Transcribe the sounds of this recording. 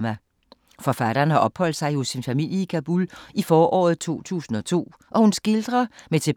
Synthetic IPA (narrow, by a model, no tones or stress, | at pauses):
mæ | fɒ̽fæɾ̥ɐɐːnhɑ̈ʔɒ̽b̥hɒ̽l̰d̥sɑ̈ɪjo̝sinfæmil̰jəikʰæb̥ulifɒːʔɒ̰ːð̞̩ˠt͡sʰo̝̰ːt͡sʰṵːsn̩ɒ̽t͡sʰo̝̰ː | ʔɒ̽hunsɡ̥e̝ld̥ʁɐmet͡sʰe̝